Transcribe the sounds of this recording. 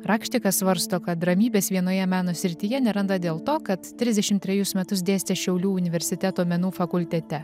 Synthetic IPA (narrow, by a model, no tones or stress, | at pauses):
ɾɑːkʃʲt̪ʲɪkɐssʋɐɾst̪oːkɐt̪̚d̪ɾɐmʲiːbʲeːsʋʲiɛnoːjɛmʲæːnoːsʲɾʲɪt̪ʲɪjɛnʲɛɾɐnd̪ɐd̪ʲeːlˠt̪oːkɐt̪t̪ʲːɾʲɪzʲd̪ʲɛʃʲɪmt̪ʲɾʲɛjʊsmʲɛt̪ʊs̬d̪ʲeːsʲt̪ʲeʃʲɛʊlʲuːʊnʲɪʋʲɛɾʲsʲɪt̪ʲæt̪oːmʲɛnuːfɐkʊlʲt̪ʲɛt̪ʲɛ